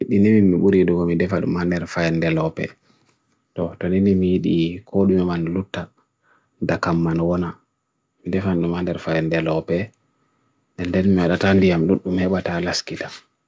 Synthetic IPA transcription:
iɗiniminmiɓuɾiduɡɔmidɛfaɗṵmandɛɾfajɛndɛlɔpɛ̰ | tɔtɔninimijiɗikʰɔɗumimanlutːa | ndakamːanwɔna | midɛfanɗumandɛɾfajɛndɛlɔpɛ | ndɛndɛnmiwaɗatandijamɗuɗumhɛɓatalaskitam

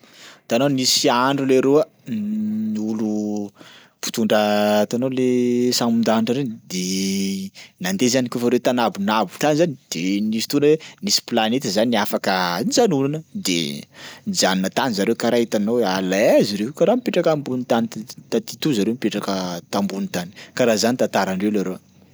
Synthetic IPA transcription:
t̪anonisiaɳɖ͡ʐuleɾuə | niulu | pu̥t̪uɳɖ͡ʐət̪anolesamund̪aɳʈ͡ʂəɾenid̪e | nand̪ezanikofaɾewt̪anabunabuʈ͡ʂ̪anizanid̪̥enisi̥t̪unwenisi̥planet̪əzanafakənizanunanəd̪ḛnid͡zaninət̪anizaɾewkaɾaɦit̪anowalaaziɾewkaɾamipeʈ͡ʂakambunit̪anit̪at̪it̪uzaɾewmipeʈ͡ʂakət̪ambunit̪ani̥kaɾazanit̪at̪aɾaɳɖ͡ʐewlaɾo

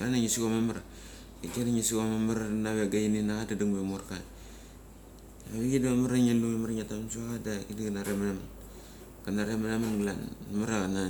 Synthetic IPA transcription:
anaŋisiɡomamaɾa | ikenaŋisiɡomamaɾanaβeɡajininaɣadaduŋbemoɾkat | aβiɡidamaɾaŋeluimaɾaŋatamsuaɣadakidiɡanaɾemanaman | ɡanaɾemanamanɡlanamaɾaɡana

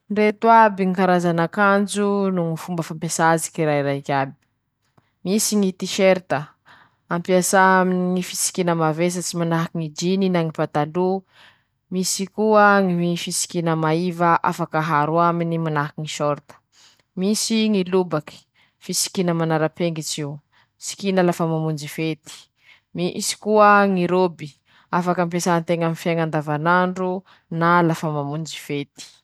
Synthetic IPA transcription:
nret̪uabiŋikaɾazanakand͡ʒunuŋifumbəfampesazi̥kiɾaiɾakʲabi̥ | misiŋit̪iʃeɾt̪ə | ampiasaminiŋifisi̥kinəmaves̬ət͡simanaɦakiŋid͡ʒininaŋipat̪alu | misikuəŋiifisi̥kinəmaivaʔa̰fakəɦaɾuaminimanaɦakiŋiʃoɾt̪ə̥ | misiŋilubaki̥ | fisi̥kinəmanaɾəpeŋɡit͡ʃiw | si̥kinalafamamund͡ʒifet̪i̥ | misi̥kuəŋiɾobi | afakəmpesant̪eŋamifjaŋand̪avanaɳɖ͡ʐu | nalafəmamund͡ʒifet̪i̥

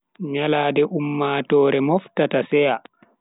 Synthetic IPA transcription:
ɲalaːdɛʔumːaːtɔːɾɛmɔftatasɛja

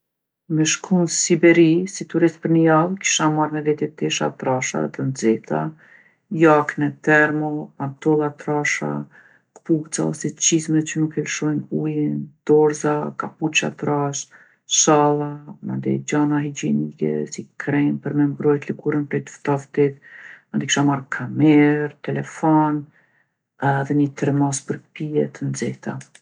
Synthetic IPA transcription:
mɛʃkʰunsibɛɾisit̪uɾist̪̚pəɾnəjalki̥ʃanmaɾnɛvɛt̪jɛt̪ɛʃa̰t̪ɾaʃa̰ðɛ̰t̪ənd͡zɛt̪a̰ | jaknɛt̪ɛɾmɔpant̪ɔlˠat̪ɾaʃa̰ | kpuɡt͡saɔ̰sɛt͡ʃizmɛt͡ɕənukɛlʃɔjnujənd̪̥ɔɾzakaput͡ʃa̰t̪ɾaʃ | ʃalˠama̰nd̪ɛ̰d͡ʒanaɦid͡ʒɛnikɛ̰sikʰɾɛmpəɾmɛmbɾɔjt̪liɡuɾənpɾɛjt̪ft̪aft̪it̪mand̪ikʃamaɾkʰamɛɾt̪ɛlɛfɔn | ðɛɲət̪ɾmaspəɾpiɛt̪ənd͡zɛht̪a̰

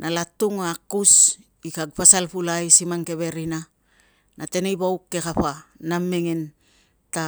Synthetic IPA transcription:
nʔalatuŋakus | ikaɡ̚pasalpulajsimaŋke̞βe̞ɾina | nate̞nejβawkːe̞kaɸanamːe̞ŋe̞n | ta

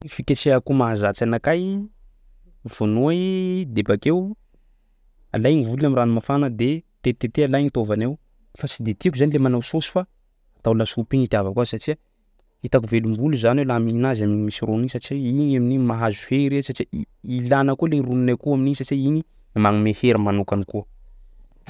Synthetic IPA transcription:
ifiket͡seakumaazat͡sanakaj | v̥onuad̪ebakew | a̰lajnivuluamiranimafanəd̪et̪et̪et̪ealajnit̪ovanew | fasid̪et̪iakuzanilemanawsosi̥faː | t̪awlasupinit̪ʲavakwasaʈ͡ʂia | it̪akuvelumbuluzanewlaminazaminmisironisaʈ͡ʂiinaminimaɦazuheɾesaʈ͡ʂii | ilanəkuleɾununakuaminisat͡ʃiini | maŋimeheɾamanukanikuə

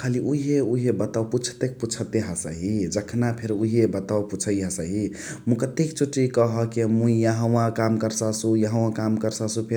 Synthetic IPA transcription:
kʰaliʔuɦeuɦebət̪awput͡ʃʰt̪ek̚put͡ʃʰət̪eɦəsə̰ɦid͡ʒəkʰnapʰeɾuɦebət̪awput͡ʃʰəjɦə̃səɦi | mũkət̪ekt͡ʃuʈːikəɦəkemũijaɦəwãkamkəɾsasujəɦəw̃ãkamkəɾsasũpʰe

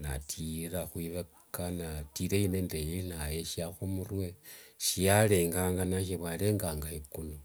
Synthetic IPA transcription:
na̰tʰiɾaxwiβekanatiɾeinendejenajeʃiaxomurwe̞ʃijale̞ːŋɡaːŋɡanaʃ̬eβwale̞ːŋɡaːŋɡahekuno

